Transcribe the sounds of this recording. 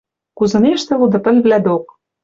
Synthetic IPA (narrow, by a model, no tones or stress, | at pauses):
kuzɤ̆neʃt̪ĕlud̪ɤ̆pɘ̆lβlæd̪ok̚